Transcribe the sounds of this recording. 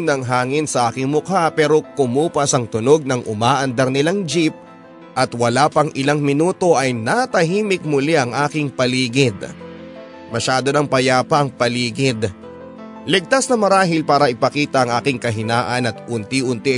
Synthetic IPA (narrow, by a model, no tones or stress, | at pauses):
nɐŋɦaːŋɪnsɐʔaːkɪŋmʊkapɛːɾo̞kʊmuːpɐsɐŋt̪ʊnoɡ̚nɐŋʔʊmaːʔɐnd̪ɐɾnɪlaŋd͡ʒip̚ | ʔɐt̪wɐlaːpɐŋʔɪlaŋmɪnuːt̪o̞ʔɐjnat̪ɐɦiːmɪk̚mʊlɛʔɐŋʔaːkɪŋpɐliːɡɪd̪ | mɐʃaːd̪o̞nɐŋpɐjaːpɐɐŋpɐliːɡɪd̪ | lɪɡ̚t̪asnɐmɐɾaːɦɪlpaːɾɐʔɪpɐkiːt̪ɐʔɐŋʔaːkɪŋkɐɦɪnaːʔɐnɐt̪̚ʔʊnt̪iʔʊnt̪ɪ